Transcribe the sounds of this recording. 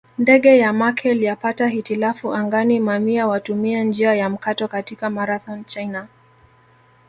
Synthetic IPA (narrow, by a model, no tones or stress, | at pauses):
ndɛɠɛjamakʰɛlijapataɦitilafuʔaŋɡanimamiawatumiand͡ʒiajam̩katɔkatikamaɾaθɔnt͡ʃajna